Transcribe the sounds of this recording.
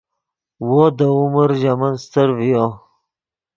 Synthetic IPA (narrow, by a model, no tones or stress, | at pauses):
wod̪əuməɾʑamanst̪əɾvijo